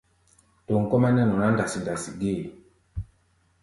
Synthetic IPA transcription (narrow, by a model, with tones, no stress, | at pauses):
to˨ŋ̩˨kɔ˦ma˦nɛ˦nɔ˨na˦nda˨si˨nda˨si˨ɡe˦˨